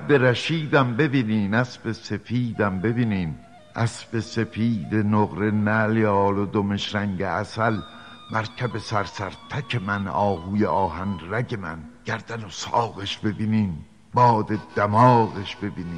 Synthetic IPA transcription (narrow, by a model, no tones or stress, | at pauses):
beɾæʃiːd̪æmbe̞biːniːnæsbe̞se̞fiːd̪æmbe̞biːniːm | æsbe̞se̞fiːd̪enoɣɾe̞næljɒːlod̪ome̞ʃɾæŋɟeæsæl | mæɾcʰæbe̞sæɾsæɾt̪ʰæcʰemænɒːhuːjeʔɒːɦænræɟe̞mæ̰nɟ̥æɾd̪̥ænosɒːɣeʃbe̞biːniːm | bɒːd̪ed̪̥amɒːɣeʃb̥e̞biːniː